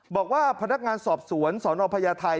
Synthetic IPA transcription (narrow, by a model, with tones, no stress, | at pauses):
bɔː˨˩k̚waː˥˩pʰa˧na˦˥k̚ŋaː˧nsɔː˨˩p̚su˨˩˦ənsɔː˩˦nɔː˧pʰa˧jaː˧t̪ʰa˧